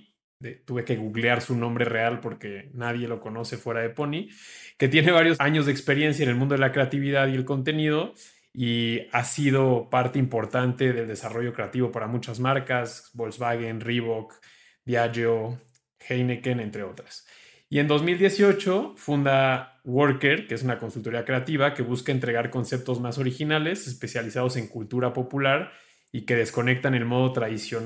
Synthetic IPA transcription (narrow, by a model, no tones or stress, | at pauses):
et̪uβeke̞ɣuɣljaɾsunõmbɾe̞re̞alpo̞ɾke̞naðje̞lo̞ko̞no̞se̞fwe̞ɾaðe̞po̞nike̞t̪je̞ne̞β̞aɾjo̞saɲo̞zðekspe̞ɾjens̬jaene̞lmũnd̪oelakɾe̞at̪iβiðaðie̞lko̞nt̪̬e̞niðo̞ | iasið̞opaɾt̪eimpo̞ɾt̪ant̪e̞ðe̞ld̪e̞saro̞ʝo̞kɾe̞at̪iβo̞paɾamut͡ʃazmaɾkazβolzβaɣenriβok | d̪jaʝo | xejnekene̞nt̪ɾe̞o̞t̪ɾḁs | ie̞nd̪o̞zmild̪je̞sio̞t͡ʃo̞fund̪awo̞ɾkeɾkeesunako̞nsult̪o̞ɾiakɾe̞at̪iβake̞β̞uskaent̪ɾe̞ɣaɾko̞nse̞p̚t̪o̞zmaso̞ɾixinale̞se̞spe̞sjalisað̞o̞se̞ŋkult̪uɾapo̞pulaɾ | ike̞ð̞e̞sko̞ne̞k̚t̪ane̞lmo̞ð̞o̞t̪ɾaðisjo̞n